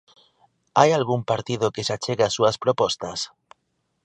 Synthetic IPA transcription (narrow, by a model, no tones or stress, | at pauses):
ajalɣumpaɾt̪ið̞okesat͡ʃeɣasuaspɾopɔst̪as